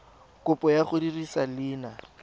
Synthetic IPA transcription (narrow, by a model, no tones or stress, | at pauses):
kʊpʼɔjaχʊdirisalɪːna